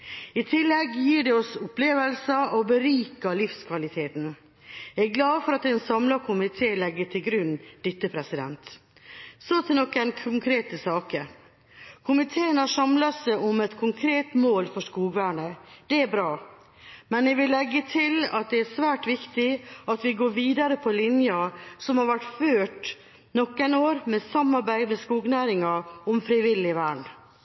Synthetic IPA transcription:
ɪt̪ʰɪlːɛɡjiːɖɛɔsʊpʰleːʋəlsəɔbəɾiːkɑlɪfskʰʋɑlɪt̪ʰeːt̪n̩ | ɛɡlɑːfɔɾɑt̪ɛːnsɑmlɑkʰʊmɪt̪ʰeːlɛɡːəʈ̪ʰɪlɡɾʉnd̪̥ɪt̪ːəpʰɾɛsɪd̪ɛ̰nt̪ | sot̪ʰɪnɔkːɛnkʰʊŋkʰɾeːt̪əsɑːkə | kʰʊmɪt̪ʰeːənhɑʂɑmlɑsɛʔɔmɛt̪kʰʊŋkʰɾeːt̪moːlfɔʂkuːɡʋæːɳəd̪̥ɛæɾbɾɑː | mɛnjɛʋɪlːɛɡːət̪ʰɪlɑt̪̚d̪ɛæʂʋæːʈʋɪkt̪ɪɑt̪ʋɪɡoːɾʋiːd̪ɑɾəpʰɔlɪnjɑsɔmhɑɾʋæʈføːʈ | nɔkːænoːɾmɛsɑmːɑɾbæɪd̪mɛskuːɡnæːɾɪŋɑɔmfɾɪʋɪlːɪʋæːɳ

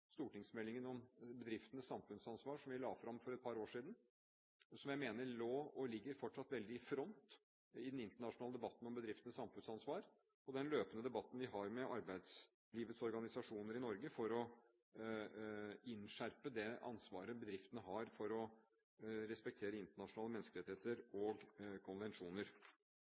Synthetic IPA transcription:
st̪uːʈɪŋsmɛlːɪŋənɔmbəd̪ɾɪft̪ənəsːɑmfʉnsɑnsʋɑːʂɔmʋɪlɑːfɾɑmfɔɾɛt̪̚pʰɑːɾoːʂiːd̪n̩ | sɔmjæɪmeːnəɾɭoːɔlɪɡːəɾfɔʈʂɑt̪ːʋɛld̪ɪɪfɾɔnt̪ | ɪd̪nɪnt̪əɳɑʂʊnɑːləd̪ɛbɑt̪ːn̩ɔmbəd̪ɾɪft̪ənəsɑmfʉnsɑnsʋɑːɾ | ɔd̪ɛnløːpənəd̪ɛbɑt̪ːn̩ʋɪɦɑɾmɛʔɑɾbæɪd̪s | liːʋət̪sɔɾɡɑnɪsɑʂuːnəɾɪnɔɾɡəfɔɾɔ | ɪnʂæɾpəd̪ɛɑ̰nsʋɑ̰ːɾəbəd̪ɾɪft̪ənəɦɑɾfɔɾɔ | ɾɛspɛk̚t̪ʰeːɾəɪnt̪əɳɑʂʊnɑːləmɛnskəlɾɛt̪ɪheːt̪əɾɔɡkʰɔnʋɛnʂuːnəɾ

